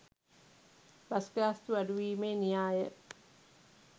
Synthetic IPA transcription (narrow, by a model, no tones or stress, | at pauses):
bɐskɾaːst̪uɐduʋiːmenijaːjə̰